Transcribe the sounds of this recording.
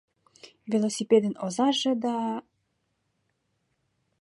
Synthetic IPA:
vʲelˠosʲiped̪ə̆nozɑʒĕd̪ɑ

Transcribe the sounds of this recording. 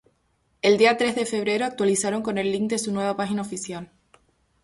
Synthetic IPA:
e̞ld̪iat̪ɾe̞zðe̞fe̞β̞ɾe̞ɾoak̚t̪walisaɾo̞ŋko̞ne̞lːiŋk̚d̪e̞sunwe̞β̞apaxinaofisjal

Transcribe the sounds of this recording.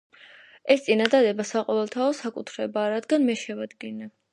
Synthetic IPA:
ɛst̪sʼinad̪ad̪ɛbasaqʼɔvɛlˠt̪ʰaɔsakʼut̪ʰɾɛbaːɾad̪ɡanmɛʃɛvad̪ɡina

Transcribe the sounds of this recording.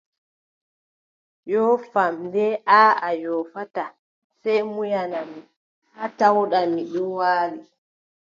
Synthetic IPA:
jɔfamdɛʔaajɔfata | sɛjmujanami | atawɗamiɗɔwaːli

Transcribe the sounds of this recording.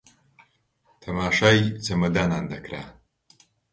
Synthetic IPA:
t̪ʰɐmaːʂajt͡semɐd̪anand̪ɐkɾa

